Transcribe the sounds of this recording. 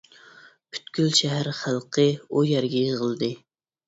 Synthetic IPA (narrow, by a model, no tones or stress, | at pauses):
pʰy̥t̪kʲylʃɛɦæɾχælˠqʰəujɛɾɡʲɛjəʁəlˠɨd̪ɨ